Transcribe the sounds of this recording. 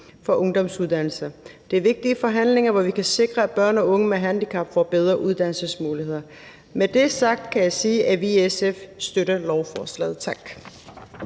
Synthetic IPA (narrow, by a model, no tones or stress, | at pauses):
fɒ̽ʔɔ̽ŋd̥ɒ̽msuðˠd̥æn̰l̩sɐd̥e̝æɐʋe̝ɡ̥̚d̥iəfɒ̽ɦæn̰le̝ŋɐʋɒʋikʰæse̝ɡ̥ʁɐæ̥b̥ɶɐ̰nɒ̽ɔ̽ŋəmeɦænd̥ikʰɑ̈b̥fɒːb̥eð̞ˠʁɐʔuð̞ˠd̥æn̰l̩səsmuːlihe̝ð̰ˠɐ | med̥e̝sɑ̈ɡ̥̚d̥kʰæjɑ̈ɪsiːʔæʋiesefsd̥øɾ̥əlɒʊfɒːslɛ̰ːð̩ˠt͡sʰɑ̈ɡ̥